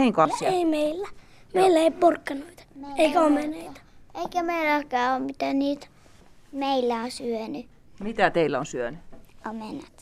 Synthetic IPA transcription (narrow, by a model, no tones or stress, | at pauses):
eiŋkoɑsieimeilːæ | meilːæeippurkːɑnoit̪ɑmeeikæomeneit̪ɑ̥eikæmeilækæːoːmit̪æniːt̪ | meilːæosyøny | mit̪æt̪eilːæonsyønyomenɑt̪